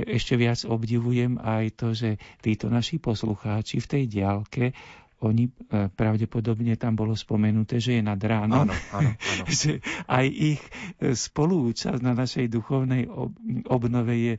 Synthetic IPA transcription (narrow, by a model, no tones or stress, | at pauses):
ɛʃcɛʋɪad͡zɔbɟiʋujɛmajt̪ɔʒɛt̪iːt̪ɔnaʃipɔsluxaːt͡ʃift̪ɛjɟɪalkɛ | ɔɲipɾaʊɟɛpɔd̪ɔbɲɛt̪ambɔlɔspɔmɛnut̪ɛːʒɛjɛnad̪ɾaːnɔm | ʒɛʔajʔixspɔluːt͡ʃa̰znanaʃɛjd̪uxɔʊnɛjɔbnɔʋɛjɛ